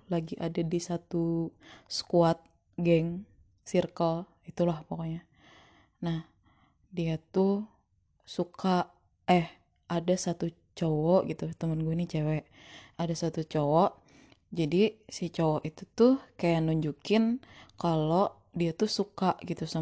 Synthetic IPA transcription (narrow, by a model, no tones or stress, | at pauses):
laɡiʔadadisat̪uskuat̪̚ | ɡɛŋ | sirkəl | it̪ulahpokoɲa | nah | diat̪u | sukaʔ | ɛh | ʔadasat̪u | t͡ʃowɔʔɡit̪ut̪əmənɡuɛnit͡ʃɛwɛʔ | adasat̪ut͡ʃowɔʔ | d͡ʒadisit͡ʃowɔʔit̪ut̪uhkajanuɲd͡ʒukɪnkaloʔ | diat̪usukaʔɡit̪usa